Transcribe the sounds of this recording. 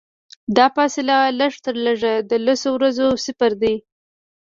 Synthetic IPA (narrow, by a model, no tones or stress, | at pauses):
d̪ɑfɑsɪlaləʂt̪əɾləʐad̪əlasowɾazosɪfaɾd̪ij